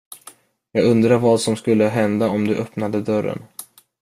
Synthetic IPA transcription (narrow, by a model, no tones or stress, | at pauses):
jɑːɡɵnd̪ɾaɾvad̪sɔmskɵlːəɦɛnd̪aɔmd̪ɵʔœpnad̪əd̪œɾːə̰n